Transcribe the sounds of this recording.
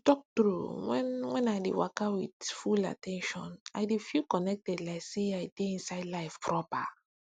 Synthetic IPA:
tɔk̚tɾuwɛ̰̃nwɛ̃najdḛwakawidfula̰tɛ̃nʃɔ̃naɪdefilkɔnɛk̚tɛdlaɪkseajdeĩnsaɪdlaɪfpʰɹɔpa

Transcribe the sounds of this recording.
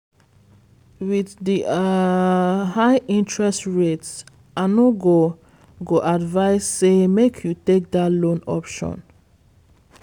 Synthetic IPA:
wiðdi | haɪĩntɹɛstɹets | anoɡo | ɡoʔadvaɪsːemekʰjutek̚datlõnɔ̰pʃɔ̰̃n

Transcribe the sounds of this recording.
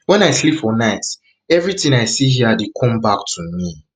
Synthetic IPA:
wɛ̃naɪslipfɔnaɪt | ɛvɹitĩŋaɪsihiədekʰɔ̃mbak̚tʰumi

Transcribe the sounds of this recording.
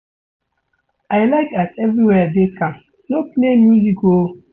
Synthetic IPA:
aɪlaɪkatɛvɹiwɛdekʰãm | nopnemjuziko

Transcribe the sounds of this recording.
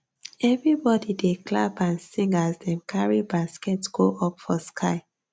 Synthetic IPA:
ɛvɹibɔdideklabãnsĩŋɡazdɛ̃nkʰaɹibaskɛtɡ̥oʔɔpfɔskʰaɪ

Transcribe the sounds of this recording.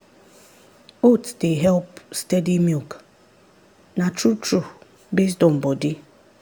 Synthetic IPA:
otdeɦɛlpstɛdimik | natɾutɾu | bes̬tɔm̩bɔdi

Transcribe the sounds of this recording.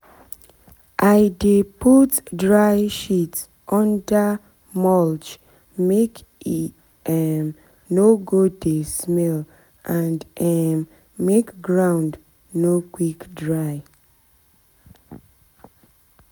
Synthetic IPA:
ʔaɪdeputdɹaɪʃits | ʔɔ̃nda | mɔld͡ʒ | mek | ɛm | noɡodesmɛl | ʔãndɛm | mekɡɹãʊ̃nd | nokwikdɹaɪ

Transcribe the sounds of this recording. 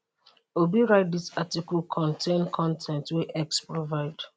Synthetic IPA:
obiɹaɪt̚disatikəlkʰɔ̃ntʰẽnkʰɔ̃ntʰɛ̃ntwɛʔɛkspɹovaɪd̥

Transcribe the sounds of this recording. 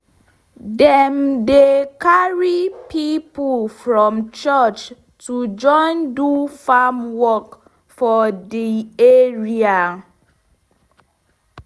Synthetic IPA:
dɛ̃mdekaɹipʰipufɹɔ̃mt͡ʃɔt͡ʃ | tud͡ʒɔ̃ɪ̃ndufamwɔk | fɔdieɹia

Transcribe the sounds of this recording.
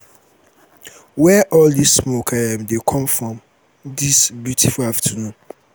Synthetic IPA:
wɛʔɔldisːmokʰaɛ̃mdekʰɔ̃mfɹɔ̃m | disbjutʰifʊlaftʰunũ

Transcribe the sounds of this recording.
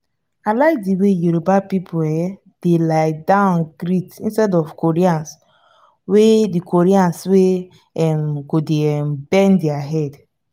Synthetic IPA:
alaɪk̚diwejuɾobapipʰuɛjɛ | d̥elaɪdãʊ̃nɡɹitḭ̃nstɛdɔvkoɹiãns | wedikʰoɹiãnswe | ɛmɡodembɛ̃ndiaɦɛd

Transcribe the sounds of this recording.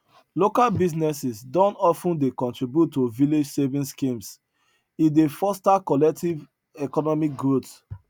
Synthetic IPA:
lokalbiznɛsisdɔ̃ntɔfũndekɔ̃ntɹibjutːoviled͡ʒsevĩnskĩms | idefɔstakɔlɛk̚tiv | ɛkɔnɔmik̚ɡɹot

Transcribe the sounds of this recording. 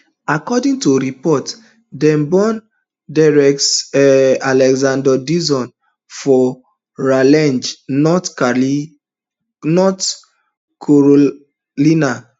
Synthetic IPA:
akɔdĩŋtuɾipɔt | dɛ̃mbɔ̃n | daɹɛk̚tɛalɛɡzãndɔdizɔ̃n | fɔ | ɹalɛ̃nd͡ʒɔt | nɔt | kʰoɹo | lina

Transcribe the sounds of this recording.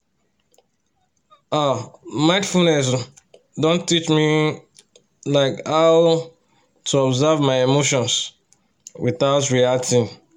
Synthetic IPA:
amãɪ̃ndfulnɛs̬ | dõntit͡ʃmi | laɪkaʊ | tʰuɔbzavmaɪemoʃɔ̃ns | wiθaʊtɹialtʰi

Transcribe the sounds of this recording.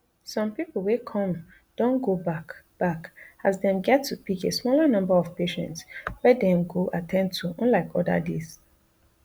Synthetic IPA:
sɔ̃mpipl̩wekʰɔ̃m | d̥õnɡobakb̥akazdɛ̃mɡɛtʰːupikesmɔlənʌ̃mbəɔv̥peʃɛ̰̃ntswɛdɛ̃mɡoʔatʰɛ̃nd̚tʰuɔ̃nlaɪkʰɔdə̰des

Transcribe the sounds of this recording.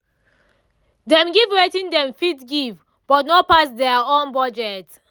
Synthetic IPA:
dɛ̃mɡivɹɛtĩndɛ̃mfitɡiv | b̥ɔtnɔpasdɛaõnbɔd͡ʒɛt

